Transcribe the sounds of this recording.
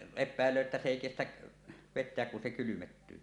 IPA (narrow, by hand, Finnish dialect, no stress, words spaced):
epˑæˑelˑøː etːæ s eˑi kestæʔ ʋetˑeæk kun se kylymetːyː